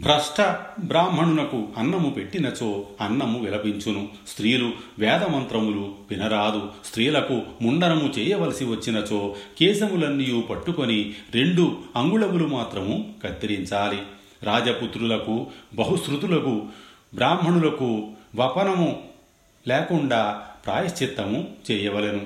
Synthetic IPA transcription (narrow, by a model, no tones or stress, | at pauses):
bɾɐʂʈɐbɾaːmɦɐɳulɐkuɐnːɐmupe̞ʈːinɐt͡ʃo̞ːɐnːɐmuʋilɐbiɲt͡ʃunu | st̪ɾiːluʋɛːd̪ɐmɐnt̪ɾɐmuluʋinɐɾaːd̪ust̪ɾiːlɐkumuɳɖɐnɐmut͡ʃɛːjɐʋɐlɐsiʋɐt͡ʃːinɐt͡ʃoːkɛːsɐmulɐnːijuːpɐʈːuko̞niɾe̞ɳɖuɐŋɡuɭɐmulumaːt̪ɾɐmukɐt̪ːiɾiɲt͡ʃaːli | ɾaːd͡ʒɐput̪ɾulɐkubɐɦusɾut̪ulɐku | bɾaːmɦɐɳulɐkuʋɐpɐnɐmu | lɛːkuɳɖaːpɾa̰ːjɐst͡ʃit̪ːɐmut͡ʃɛːjɐʋɐlenu